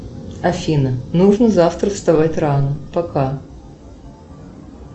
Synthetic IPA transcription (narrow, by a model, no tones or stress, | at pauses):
ɐfʲinənuʐnəzaft̪ɾəfst̪ɐvatʲranəpɐka